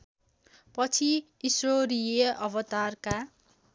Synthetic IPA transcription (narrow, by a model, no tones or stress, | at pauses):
pʌt͡sʰiː | sroɾijeʔʌbʌt̪arka